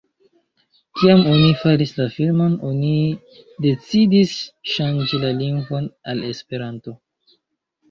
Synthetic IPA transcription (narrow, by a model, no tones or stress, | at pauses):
kiamo̞nifaɾislafilmo̞no̞ni | de̞t͡sidisʃand͡ʒilaliŋɡvo̞nale̞spe̞ɾanto̞